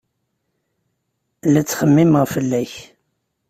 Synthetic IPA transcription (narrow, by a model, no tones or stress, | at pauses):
læt͡sːχəmːiməʁfəlːæç